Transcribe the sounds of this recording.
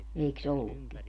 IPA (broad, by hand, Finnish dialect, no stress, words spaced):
eiks olːukːi